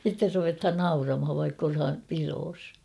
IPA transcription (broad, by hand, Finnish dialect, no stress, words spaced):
sitːer ruʋethɑn nɑurɑmhɑʋ ʋɑikː olhɑm piroːs